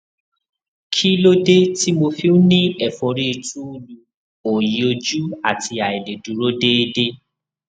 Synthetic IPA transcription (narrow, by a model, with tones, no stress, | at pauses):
kʰi˦lo˦de˦ti˦mo˧fi˧˦ũ˦nĩ˦ɛ˦˨fɔ̃˨ɾi˦˧tũ˦u˦lu˧ | o˨ji˨o˧d͡ʒu˦a˦˨ti˧a˨e˨le˨dũ˨˦ɾo˦de˦e˦de˦